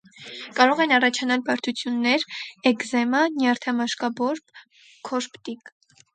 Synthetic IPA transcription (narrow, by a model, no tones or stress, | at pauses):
kɑɾɔʁɛnɑrɑt͡ʃʰɑnɑlbɑɾt̪ʰut͡sʰjunːɛɾɛkzɛmɑnjɑɾt̪ʰɑmɑʃkɑbɔɾp | kʰɔɾpt̪ik